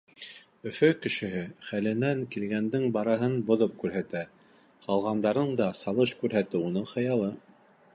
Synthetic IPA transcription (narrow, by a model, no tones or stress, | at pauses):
ɵ̆fɵkɘ̆ʃɘ̆ɦɘχælɘ̆næŋkilɡænd̪ɘŋbɑɾɑɦɤnbŏðɤp̚kʉɾɦæt̪æ | qɑlˠʁɑnd̪ɑɾɤɴd̪ɑsɑlˠɤʃkʉɾɦæt̪ɘunɤɴχɤ̆jɑlˠɤ